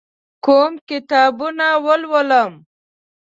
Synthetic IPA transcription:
koːmkɪt̪ɑːbunawəlwəlam

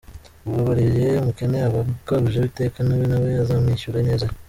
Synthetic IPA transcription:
uβaβaɾiʒeumukeneaβakaɡuʒeβitekaniβinaβejazamiʃuɾeɲeza

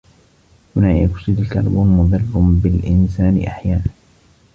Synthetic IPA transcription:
hʊnaːjakʊ̥sid̪ka̰lbunmʊðˤɨrˤːʊbɪlʔɪnsaːnɪ̰ʔaħjaːnan

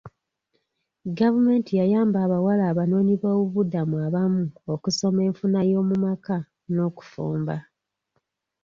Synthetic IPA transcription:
ɡavume̞ːntijajaːmbaːβawalaːβano̞ːɲiβoːβuβudamuaβamuokuso̞me̞ːɱfunajo̞ːmumaka | no̞ːku̥fṵːmba

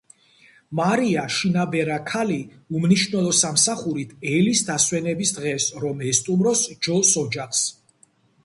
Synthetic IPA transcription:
maɾiaʃinabɛɾakʰali | umniʃnɛlˠɔsamsaχuɾit̪ʰɛlisd̪aswɛnɛbisd̪ʁɛsɾɔmɛst̪ʼumɾɔsd͡ʒɔsɔd͡ʒaχs

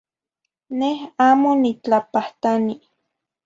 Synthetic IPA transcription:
nehaːmonit͡ɬapaht̪ani

